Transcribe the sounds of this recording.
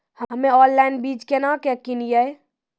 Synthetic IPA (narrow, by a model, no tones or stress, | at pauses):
həɦəmeɔllajnbid͡ʒkenakekinijəj